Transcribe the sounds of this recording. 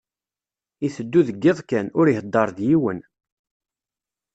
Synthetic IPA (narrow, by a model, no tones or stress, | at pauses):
iθəd̪ːuðəɡːɪðˤkænʊɾiɦəd̪ːɑɾˤðjiwən